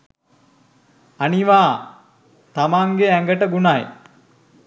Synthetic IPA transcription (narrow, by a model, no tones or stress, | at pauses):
aniʋaː | t̪amaŋɡeæŋɡəʈəɡunaj